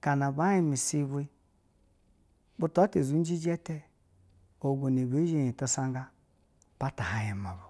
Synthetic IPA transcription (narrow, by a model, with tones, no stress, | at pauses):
ka˨na˨ba˨˦ji˦mi˨si˦βu˦i˦ | bu˦tu˨a˦te˨zu˨˦n˦d͡ʒi˦d͡ʒɛ˦te˦ | o˨ɡo˨ne˨be˨˦ʒe˦˨ji˨to˨sa˦ŋɡa˦ | pa˦ta˨ha˨je˨ma˨bu˨